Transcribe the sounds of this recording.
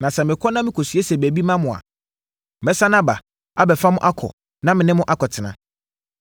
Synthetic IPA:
nã˨sɛ˨mɪ̃˨kʰɔ˦nã˦mɪ̃˦kʰo˨sɥe˦sɛ˨bæ˨bi˦mã˦mʊ̃˨a̰˨ | mɛ˦sa˦nã˦ba˨ | a˦bɛ˨fa˦mʊ̃˦ʔa˦kʰɔ̰˨ | nã˦mɪ̃˨nɪ̃˦mʊ̃˦ʔa˦kʰɔ˨tʰɪ˨nã̰˨

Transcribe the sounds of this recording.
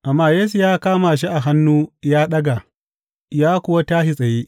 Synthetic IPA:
ʔa˨mːaː˦jeː˦s̬u˨jaː˦kaː˦maː˨ʃ̬i˦ʔa˨ɦa˦nːuː˦jaː˦ɗɐ˦ɡa˨ | jaː˦kʷʊ˨wa˦taː˦ʃi˨sʼɐ˨jeː˦

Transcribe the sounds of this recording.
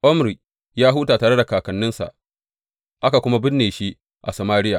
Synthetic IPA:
ʔɔ˦mɾi˨ʔ | jaː˦ɦʊ˦taː˨taː˨ɽe˦da˨kaː˨kɐ˨nːɪ˦nsa̰˨ʔ | ʔa˦ka˨kʷʊ˦ma˦bɪ˦nːeː˨ʃi˦ | ʔa̰˨sa˨maː˦ɽɪ˦jaː˨

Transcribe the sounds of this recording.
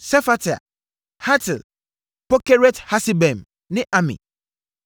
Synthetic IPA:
sɛ˦fa˦tʰa̰˨ | ha˦tʰɪ˨l | pɔ˦kɛ˦ɾɛ˦tha˦sɪ˦bɛ̃˨m | nɪ̃˦ʔa˦mḭ̃˨

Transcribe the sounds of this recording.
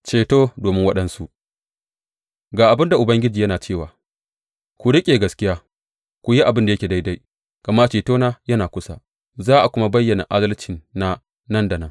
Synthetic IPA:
t͡ʃeː˨toː˦doː˨mɪ˦ŋwɐ˦ɗɐ˦nsu˦ʔ | ɡaː˨ʔa˨bɪ˦nda˨ʔʊ˨bɐ˦ŋɡʲɪ˦d͡ʒiː˨jɐ˦naː˨t͡ʃeː˦˨waː˨ | kʷu˨ɽɪ˦kʲʼeː˨ɡɐ˦skʲɪ˦jaː˦ | kʷu˨ji˦ʔa˨bɪ˦nda˨jɐ˦kʲeː˨da˦jda˦j | ka˨ma˦t͡ʃeː˨toː˦naː˦jɐ˦naː˨kʷʊ˦sa̰˦ | zaː˦ʔa˨kʷʊ˦ma˦bɐ˦jːɐ˨na˨ʔa˦dɐ˦lt͡ʃɪ˨nːa˦ | nɐ˦nda˨nɐ˦ŋ

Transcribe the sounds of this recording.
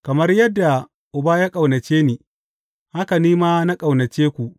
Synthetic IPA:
kɐ˨mɐ˦rjɐ˦dːa˨ | ʔʊ˨baː˦jaː˦kʼa˨wnɐ˨t͡ʃeː˦niː˨ | ha˦ka˨niː˦maː˦na˦kʼa˨wnɐ˨t͡ʃeː˦kʷu˨ʔ

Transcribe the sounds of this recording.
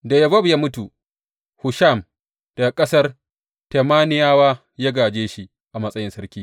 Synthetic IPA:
da˨jɐ˨bɐ˦bjaː˦mʊ˦tu˨ | hʊ˨ʃa˦˨m | d̥a˨kʼɐ˦sɐ˦r | te˨maː˦nɪ˦jaː˦waː˦ | jaː˦ɡaː˨d͡ʒeː˦ʃi˦ | ʔa˨mɐ˦sʼɐ˦jɪ˦nsɐ˦ɾkʲiː˦

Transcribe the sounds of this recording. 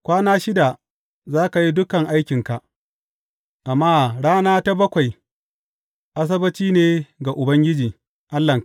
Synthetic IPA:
kʷaː˦naː˦ʃɪ˦da˨ | zaː˦ka˨ji˦dʊ˦kɐ˨ŋʔa˦jkʲɪ˨ŋka˨ʔ | ʔa˨mːaː˦ɽaː˦naː˦ta˦bɐ˦kʷa˨j | ʔa˦s̬ɐ˦bɐ˦t͡ʃiː˦neː˨ɡa˨ʔʊ˨bɐ˦ŋɡʲɪ˦d͡ʒiː˨ | ʔa˦lːɐ˨ŋ

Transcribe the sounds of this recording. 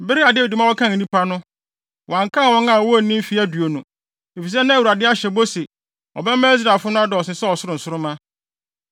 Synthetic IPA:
be˦ɾi˦a˨dɪ˦i˨di˨mã˦wɔ˦kʰã˦ŋ˨nĩ˦pʰa˦nʊ̃˦ | wã˨ŋ˨kʰã˦˨wɔ̃˦nã˦˨wɔ˦˨˦nĩ˦m̩˦fi˦æ˦du˨o˨nũ˨ | e˨fi˨s̬ɛ˦nã˦˨wu˨ɾa˨dɪ˦a˦ɕɛ˨bo˦sɪ˨ | ɔ̰˨bɛ˦mã˦s̬ɾa˨fʊ˦nʊ̃˦a˦dɔ˨ɔ˨sɪ̃˨sɛ˦ɔ˨sʊ˦ɾʊ˨n̩˨sʊ˦ɾʊ˦mã˦

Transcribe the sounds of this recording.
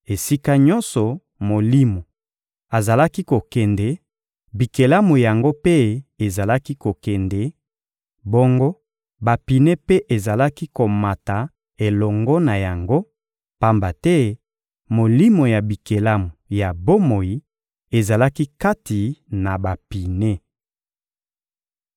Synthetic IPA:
e˨si˦ka˦ɲɔ˦nsɔ˨ | mo˨li˦mo˨ | a˨za˨la˦ki˦ko˨kɛ˨ndɛ˨ | bi˨ke˨la˦mu˨ja˨ŋɡo˦pe˦e˨za˨la˦ki˦ko˨kɛ˨ndɛ˨ | bo˦ŋɡo˦ | ba˨pi˨ne˦pe˦ʔe˨za˨la˦ki˦ko˨ma˨ta˨ | e˨lɔ˨ŋɡɔ˦na˨ja˨ŋɡo˦ | pa˦mba˨tɛ˦ | mo˨li˦mo˨ja˨bi˨ke˨la˦mu˨ja˨bo˦mo˨i˨˦ | e˨za˨la˦ki˦ka˦ti˨na˨ba˨pi˨ne˦

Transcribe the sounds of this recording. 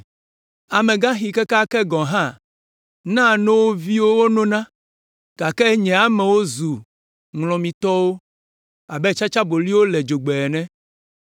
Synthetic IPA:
a˨mẽ˨ɡã˦xi˨kɛ˦ka˦kɛ˦ɡɔ̃˨ɦã˦˨ | nã˦˨nõ˦wo˦vi˦wo˦wo˦nõ˦nã˦ | ka˨kɛ˦ɲɛ̃˨a˦mɛ̃˨wo˦zu˨ | ŋlɔ̃˨mĩ˨t̪ɔ˦wo˦ | a˨bɛ˦t͡ʃa˦t͡ʃa˦bo˨li˦wo˦lɛ˨d͡ʒo˨ɡ͡bɛ˨ɛ˨nɛ̃˦

